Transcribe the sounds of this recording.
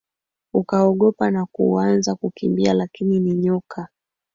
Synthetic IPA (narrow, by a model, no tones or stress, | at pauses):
ukaɔɠɔpanakṵanzakukimbialakininiɲɔkʰa